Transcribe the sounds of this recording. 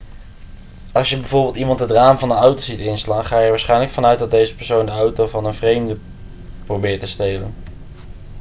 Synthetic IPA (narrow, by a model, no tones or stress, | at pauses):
ɑlˠsjəbɛjvʊːɹbɪːlˠtimɑntədraːmvɑndəɑwtozitɪnslaːnχaːjəɛɹʋaːsχɛjnləkfɑnœɥtdɑt̚dejzəpɛɹsowndəɑwtowvɑnənvrejmdə | prowbɪːtəstejlə̰n